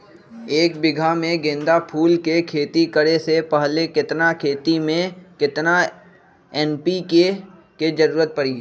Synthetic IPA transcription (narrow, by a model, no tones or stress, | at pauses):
eːkbɪɡʱamẽɡẽːnd̪apʰuːlkekʰeːt̪ikəɾesepɐɦlekɪt̪nakʰeːt̪imẽkɪt̪na | ɛːnpike | ked͡ʒɐɾuːɾət̪̚pɐɾi